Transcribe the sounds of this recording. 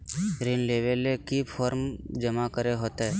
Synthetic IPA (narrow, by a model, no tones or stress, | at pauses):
ɾiːnleːʋelekipʰɔːɾmd͡ʒəmakəɾeɦoːt̪ɦɛː